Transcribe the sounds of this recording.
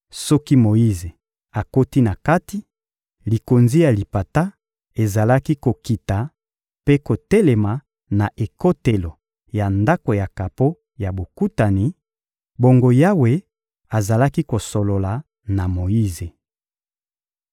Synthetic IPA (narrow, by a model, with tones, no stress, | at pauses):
sɔ˦ki˦mo˨i˦ze˨ | a˨ko˦ti˦na˨ka˦ti˦ | li˨ko˨nzi˦ja˨li˨pa˨ta˦ | e˨za˨la˦ki˦ko˨ki˨ta˨ | pe˦ko˨te˦le˨ma˨ | na˨ʔe˨ko˦te˨lo˨ | ja˨nda˦ko˨ja˨ka˨po˦ | ja˨bo˨ku˦ta˨ni˨ | bo˨ŋɡo˨ja˦we˨ | a˨za˨la˦ki˦ko˨so˨lo˨la˨ | na˨mo˨ji˦ze˨